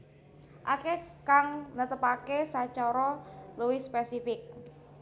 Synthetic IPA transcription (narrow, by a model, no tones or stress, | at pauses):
ʔakekaŋnət̪əpakesat͡ʃɔɾɔluwɪspɛsifɪk̚